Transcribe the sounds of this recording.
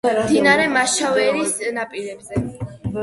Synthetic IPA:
d̪inaɾɛmaʃavɛɾisnapʼiɾɛbzɛ

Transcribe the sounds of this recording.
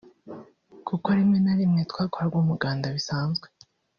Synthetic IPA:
kʰukoaɾimŋe̞naɾimŋe̞tkwaːkoɾaɾɡwuːmuɡaːndaβisaːnzɡwe

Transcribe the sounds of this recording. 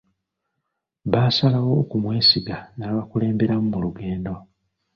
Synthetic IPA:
βaːsalawo̞ːkumwe̞ːsiɡanaβakule̞ːmbe̞ɾamumuluɡe̞ːndo̞

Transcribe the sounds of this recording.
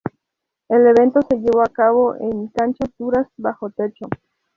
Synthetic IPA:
eleβe̞nt̪ose̞ʝeβoakaβoʔeŋkant͡ʃat̪uɾasbaxot̪et͡ʃo

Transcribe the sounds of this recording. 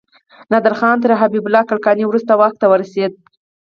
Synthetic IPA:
nad̪aɾxɑnt̪əɾɦabibʊlɑkaɽkɑniwɾust̪awaxk̚t̪awəɾased̪̚

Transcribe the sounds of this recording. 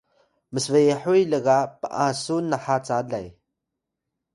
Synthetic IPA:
məsvəjəħujləɣapə̰ʔãsunːaħat͡saɮaj

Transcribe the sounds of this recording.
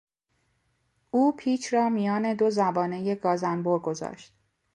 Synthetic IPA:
ʔuːpʰiːt͡ʃʰrɒːmijɒːne̞d̪o̞zæbɒːne̞je̞ɡ̥ɒːzænboɾɡo̞zɒ̰ːʃt̪̚

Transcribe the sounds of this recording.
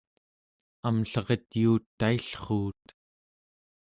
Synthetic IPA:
amɬʌʁet̪juːt̪ːaiɬχuːt̪

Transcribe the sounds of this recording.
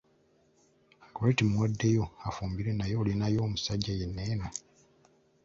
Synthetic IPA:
koɾetimwadːe̞jo̞afuːmbiɾenajo̞ːlinajo̞ːmusaɟːajenːeːna

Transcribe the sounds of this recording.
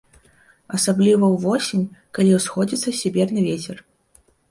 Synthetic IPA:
ɐsablʲivɐwvɔsʲinʲkalʲiwsxɔd͡zʲit̪sːɐsʲɛbʲɛrnɨvʲet͡sʲɛr

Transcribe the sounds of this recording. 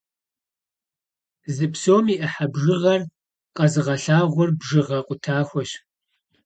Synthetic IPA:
zɨpsoːmiːʔɐħabʒɨʁɐr | qʼɐzɨʁɐɬaːʁʷɔrbʒɨʁɐqʷʼʊtʰaːxʷɔɕ

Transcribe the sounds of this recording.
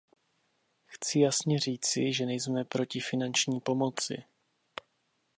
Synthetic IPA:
xt͡sɪjasɲɛriːt͡sɪʒɛnɛjzmɛpɾo̞cɪfɪnant͡ʃɲiːpo̞mo̞t͡sɪ̰

